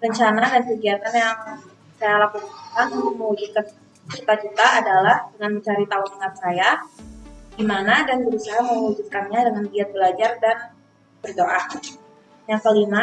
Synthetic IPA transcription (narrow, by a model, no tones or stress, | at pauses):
rəɲt͡ʃanadankəɡiat̪anjaŋ | sajalakumaakanutʊk̚məŋud͡ʒut̪̚kan | t͡ʃut̪at͡ʃut̪aːdalahdəŋanməɲt͡ʃaɾit̪aʊnməŋat̪̚saja | ɡ̥imanadanbəɾusaɦaməwud͡ʒut̪̚kanɲadəŋanbiat̪̚bəlad͡ʒardan | b̥ərdoʔa | jaŋkəlima